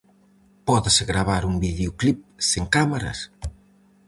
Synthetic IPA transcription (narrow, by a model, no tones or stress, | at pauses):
pɔðɪsɣɾaβaɾuŋbiðeoklip̚seŋkamaɾɐ̰s